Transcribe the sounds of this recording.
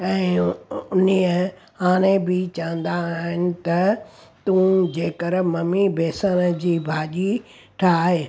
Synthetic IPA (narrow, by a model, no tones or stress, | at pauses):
ɛ̃ːʊniə | haːɽ̃ẽbɪt͡ɕɐʋə̃nd̪aːɦɪnɪ̆t̪ɐt̪ũːd͡ʑeːkəɾmɐmibʱeːsənəd͡ʑiːbʱaːʄi | ʈʰaːɦeː